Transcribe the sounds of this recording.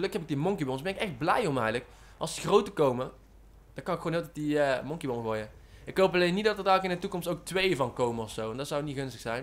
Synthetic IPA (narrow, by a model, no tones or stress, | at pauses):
əlɵkɦɛpɪɡ̚dimɔŋkibonsbɛnɪkɛxd̚blɛjɔmɛjɣlək | ʔɑlˠsəxrowtəkowmə | d̥ɑkɑnɪkxwoːnɦɪːlˠtɛtdiəmɔŋkibonəvojəɪkɦowpɑlejnːit̚dɑtədɛjɣləkɪndətukɔmstowk̚tʋejəvɑnkowməɔfsowɛndɑtsawniɣɵnstə̥xsɛjn